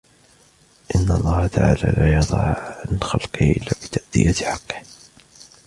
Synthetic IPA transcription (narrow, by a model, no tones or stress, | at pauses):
ʔɪnːalˤːɑːhat̪aʕaːlaːlaːjɑd̪ˤɑʕʕanxalqɪhʔɪlːaːbɪt̪ʰaʔd̪ɪ̰jat̪ħɑqːɪ̥h